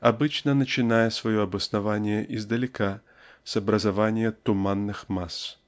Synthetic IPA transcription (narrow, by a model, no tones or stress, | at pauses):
abɨt͡ʃnɐnɐt͡ʃɪnajɛsvɐjɔɐbɨsnavanʲɪjɛʔizd̪ɐlʲɪka | sɐbɾɐzavanʲɪjɛt̪ʊmanːɨxmas